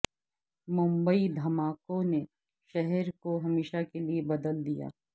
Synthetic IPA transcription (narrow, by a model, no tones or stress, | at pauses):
mʊ̃mbəid̪ʱɐmaːkõne | ʃɛɦɛɾkoɦɐmeːʃakeliebɐd̪əld̪ija̰ː